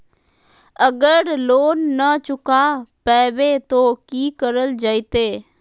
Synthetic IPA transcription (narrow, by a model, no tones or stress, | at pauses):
əɡəɾloːnːət͡ʃʊkaːpɛːʋet̪oːkiːkəɾəld͡ʒaːit̪eː